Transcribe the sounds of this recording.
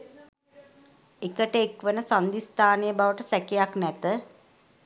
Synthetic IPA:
ekəʈəekʋənəsand̪ist̪aːnejəbaʋəʈəsɛkejaknɛt̪ə

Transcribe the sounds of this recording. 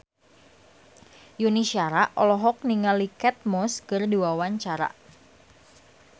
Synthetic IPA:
junisiaɾaʔɔlɔɦɔk̚niŋalikɛt̪̚mɔskɨrduawaɲt͡ʃaɾa̰

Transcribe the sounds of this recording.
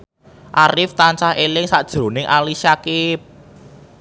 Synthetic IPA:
ʔaɾɪft̪ant͡ʃahelɪŋsad̥ʒ̥ɾo̤nɪŋʔalisakɪp̚

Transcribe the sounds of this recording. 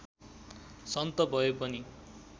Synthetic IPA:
sʌnt̪ʌbʱʌjopʌni

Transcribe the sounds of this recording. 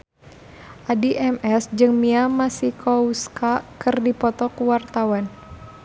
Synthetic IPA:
ʔadiʔɛmɛsd͡ʒɨŋmiamasikɔuskakɨrdipɔt̪ɔkuwart̪awan

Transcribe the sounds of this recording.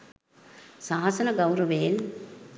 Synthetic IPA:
saːɦasɐnɐɡɐwɾɐʋel

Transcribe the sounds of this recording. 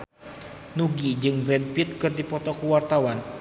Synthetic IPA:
nuɡid͡ʒɨŋbɾɛndpit̪̚kɨrdipɔt̪ɔkuwart̪awan

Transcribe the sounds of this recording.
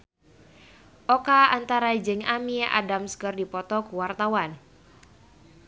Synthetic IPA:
ʔɔkaant̪aɾad͡ʒɨŋamia̰damskərdipɔt̪ɔkuwart̪awan

